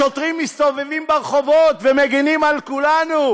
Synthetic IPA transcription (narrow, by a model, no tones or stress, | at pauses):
ot̪ʁimist̪o̞vevimbeʁeχo̞vo̞t̪vemeɡinimalkulanu